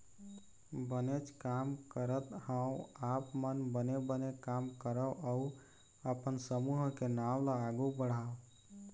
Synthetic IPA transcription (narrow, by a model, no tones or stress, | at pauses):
bənet͡ʃʰkamkəɾət̪hãũapmənbənebənekamkəɾəʔau | əpənsəmuɦkenawlaːɡubəɽ̤a